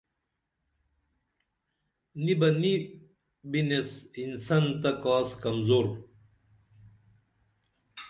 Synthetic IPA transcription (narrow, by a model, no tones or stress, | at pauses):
nibɐni | binesinsɐnt̪ɐkaːskɐmzoːɾ